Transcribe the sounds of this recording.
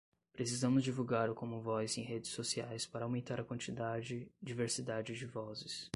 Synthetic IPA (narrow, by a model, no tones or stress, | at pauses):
pɾesizɐ̃mʊzd͡ʒivuɡaɾʊkõmʊvɔzẽj̃ɦed͡ʒɪsosiajspaɾɐawmẽnt̪aɾɐkwɐ̃nt͡ʃid̪ad͡ʒɪd͡ʒiveɾsid̪ad͡ʒɪd͡ʒɪvɔzɪs